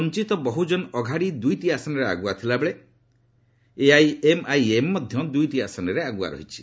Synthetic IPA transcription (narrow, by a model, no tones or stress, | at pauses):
ɔnt͡ʃit̪ɔbɔɦud͡ʒɔnɔɡʱaɽid̪ujʈiasɔnɔɾea̰ɡuat̪ʰilabeɭe | eajemajemːɔd̪ʱjɔd̪ujʈiasɔnɔɾeaɡua̰ɾɔ̰ɦit͡ʃʰi̥